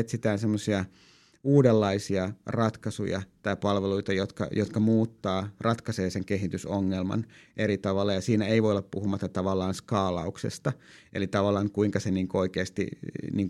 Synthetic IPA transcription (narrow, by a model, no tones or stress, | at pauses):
et̪sit̪æːnsemːosiɑ | uːdelːɑisiɑrɑt̪kɑsṵjɑ̰t̪ɑipɑlʋeluit̪ɑjot̪kɑ̰jot̪kɑmuːt̪ːɑːrɑt̪kɑseːseŋkeɦit̪ysoŋːelmɑ̰nʔeɾit̪ɑʋɑlːɑjɑsiːnæeiʋoioleppuhumɑt̪ːɑt̪ɑʋɑlːˑɑːnskɑːlɑuksḛst̪ɑ | ʔḛlit̪ɑʋɑlːˑɑːŋkuiŋkɑseniːŋkuoikeːst̪ḭniːŋk